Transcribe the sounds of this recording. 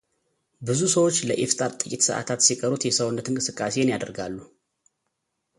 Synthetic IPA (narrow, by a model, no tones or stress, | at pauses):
bɨzusəwo̞t͡ʃːləʔeft̪ʼaɾt̪ʼɨkʼit̪sɨ̰ʔa̰t̪ʰat̪sikʼəɾut̪jɛsəwnːət̪ʰɨŋkʼɨsɨkʼːase̞ɪnjad̪əɾɡalːu